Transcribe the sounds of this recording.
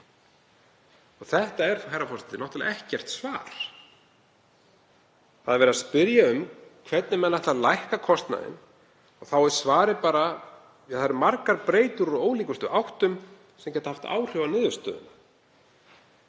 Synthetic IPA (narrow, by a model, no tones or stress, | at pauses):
ɔɣθɛht̪aɛɾ̥ɦajɾafɔsɪt̪ɪnɔht̪ʏla̰ɛhcɛr̥t̪svaːɾ̥ | θaðɛɾvɛɾaspɪɾjaʏmkʰvɛt̪̚nɪmɛnːaht̪alajhkakʰɔst̪na̰ðɪ̰n | ɔɣθawɛɾ̥svaːɾɪpaːɾa | aθaɾʏmaɾkaɾpɾeːjt̪ʏɾɔoːwliːkʏst̪ʏʔawht̪ʏm | sɛmcɛːt̪ahaft̪a̰ːwr̥jowanɪːðʏst̪œ̰ːðʏ̰na